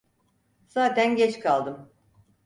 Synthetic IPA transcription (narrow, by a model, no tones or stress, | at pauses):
saːt̪ænɟɛt͡ʃkʰalˠd̪ɯm